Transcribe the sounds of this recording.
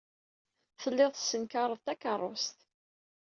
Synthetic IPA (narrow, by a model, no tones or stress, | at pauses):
θəlːɪðˤsːənkaɾˤəðˤt̪ækərˤːost̪